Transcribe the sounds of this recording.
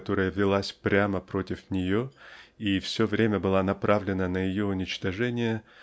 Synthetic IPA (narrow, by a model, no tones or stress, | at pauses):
t̪o̞ɾəjəvʲɪlˠasʲpɾʲaməpɾo̞tʲɪfnʲɪjoifsʲovɾʲemʲəbɨlˠanɐpɾavlʲɪnənəjɪjo̞ʊnʲɪt͡ɕt̪ɐʐɛnʲɪjə